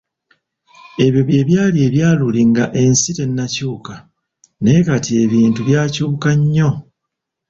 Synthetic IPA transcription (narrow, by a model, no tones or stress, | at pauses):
e̞βjo̞βje̞ːβjaːlie̞ːβjaːluliŋɡaʔe̞nsite̞nːacuːka | ne̞katie̞βiːntuβjaːcuːkaɲːo̞